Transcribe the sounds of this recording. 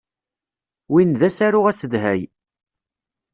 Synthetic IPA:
winðæsæɾʊʁæsəðɦæj

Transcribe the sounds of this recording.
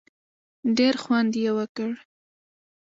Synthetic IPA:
ɖeɾxwand̪jewəkəɽ

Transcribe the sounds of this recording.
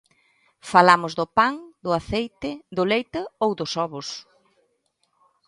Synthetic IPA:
falamʊzðʊpaŋd̪ʊaθejt̪ɪðʊlejt̪ɐowðʊsɔβʊs

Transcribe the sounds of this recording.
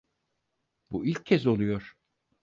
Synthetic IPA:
builʲcʰːɛzo̞lˠujo̞ɾ̥

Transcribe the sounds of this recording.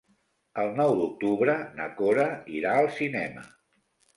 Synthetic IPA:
əlˠnɔwd̪uk̚t̪uβɾənə̰koɾəiɾaəlˠsinɛmə̰

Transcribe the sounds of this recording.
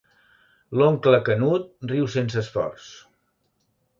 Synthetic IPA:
loŋkləkənut̪̚riwsensəsfɔ̰rs

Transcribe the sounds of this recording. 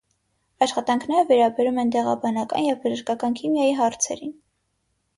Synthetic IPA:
ɑʃχɑt̪ɑŋkʰnɛɾəvɛɾɑbɛɾumɛnt̪ɛʁɑ̰bɑnɑkɑ̰njɛvbəʒəɾkɑkɑnkʰimjɑjiɦɑɾt͡sʰɛ̰ɾin

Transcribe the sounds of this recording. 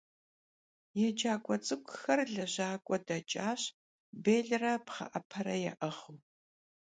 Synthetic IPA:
jɛd͡ʒaːkʷʼɔt͡sʼɨkʷʼxɐrɮɐʑaːkʷʼɔdɐt͡ʃʼaːɕ | beːɮrɐpχɐ̰ʔɐpʰɐɾɐjɛ̰ʔɐχuː

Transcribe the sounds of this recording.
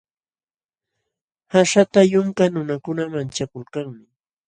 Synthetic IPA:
haʃat̪ajʊŋkanʊnakʊnamant͡ʃakʊlkaŋmɪ

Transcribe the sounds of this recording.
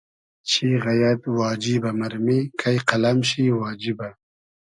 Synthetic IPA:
t͡ʃʰiɣajat̪wɑːd͡ʒibamaɾmikʰajqalamɕiwɑːd͡ʒiba

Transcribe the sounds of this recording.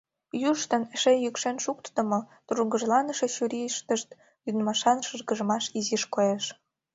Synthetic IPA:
juʃt̪ə̆nʃejykʃenʃuk̚t̪t̪ə̆mot̪uɾuɡə̆ʒlɑnə̆ʃeɕyɾʲiʃt̪əʃt̪ | lynmɑʃɑnʃɯrɣə̆ʒəmɑʃiziʃkojeʃ

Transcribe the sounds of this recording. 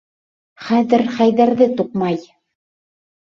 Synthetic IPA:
χæðɘɾχæjðæɾðɘt̪uqmɑj

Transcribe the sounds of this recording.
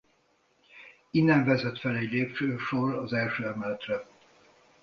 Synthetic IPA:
inːɛɱvɛzɛt̪fɛlɛɟleːp̚t͡ʃøːʃorɒzɛlʃøːɛmɛlɛt̪rɛ

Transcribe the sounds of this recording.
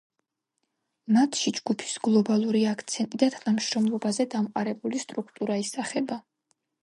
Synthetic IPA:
mat̪ʰʃid͡ʒɡupʰi̥sɡlˠɔbalˠuɾiakʰt̪sʰɛnt̪ʼid̪at̪ʰanamʃɾɔmlˠɔbazɛd̪amqʼaɾɛbulist̪ʼɾukʰt̪ʼuɾaisaχɛba

